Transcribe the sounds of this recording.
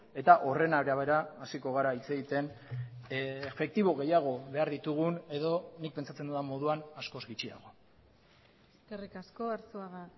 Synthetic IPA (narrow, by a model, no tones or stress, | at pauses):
e̞t̪aʔo̞re̞naβɾeaβe̞ɾaːsiko̞ɣ̞aɾait͡se̞ɣit̪e̞n | fe̞k̚t̪iβo̞ɣ̞e̞jaɣ̞o̞βe̞aɾðit̪uɣ̞une̞ðo̞nik̚pe̞nt͡sat͡se̞nd̪uðamo̞ð̞uanasko̞zɣit͡ʃia̰ɣ̞o̞ | eserikaskoaɾsoaɣa